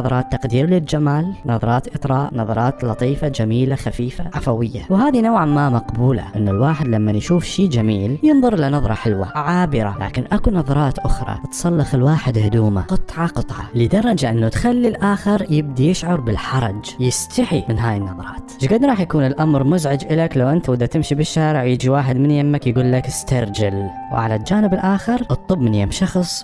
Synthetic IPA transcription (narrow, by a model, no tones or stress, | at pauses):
ɑðˤɑɾˤɑːt̪ːɑqd̪iːɾlɪld͡ʒamaːlnɑðˤɑɾˤɑːt̪ʔɨt̪ˤɾˤɑːʔnɑðˤɑɾˤɑːt̪lɑt̪ˤiːfad͡ʒamiːlaxafiːfaʕafawɪjːawhaːðinawʕamamɑqbuːla̰ʔɪnːʊlwaːħɪd̪lamːanjʃuːfʃiːd͡ʒamiːljɨnðˤʊɾˤʔɪlanɑðˤɾˤɑħɪlwa̰ʕaːbɪɾa̰lʔa̰ːkɪnʔakunɑðˤɑɾˤɑːt̪ʔʊxɾˤɑ̰t̪sˤɑlːɑxɪlwaːħɪd̪hʊd̪uːmaqɨt̪ˤʕɑqɨt̪ˤʕɑ̰lɪd̪ɑɾˤːɑd͡ʒaʔɪnːut̪xalːilʔaːxɪɾjɪb̚d̪ijɪʃʕɑɾˤbɪlħɑɾˤɑd͡ʒjɪst̪ʰaħimɪnɦaːjɪnːɑðˤɑɾˤɑ̰ːt̪ʃɡad̪ɾˤɑːħjakuːnɪlʔamɾmʊzʕɪd͡ʒʔɪlaklawʔɪnt̪awɪd̪ːat̪ɪmʃibɪʃːaːɾɪʕjɪːd͡ʒiwaːħɪd̪mɪnjamːakjɡuːlːakɪst̪ɑɾˤd͡ʒal | wʕalald͡ʒaːnɪbɪlʔaːxɪɾʔɨt̪ˤːɨbmɪnjamʃɑxsˤ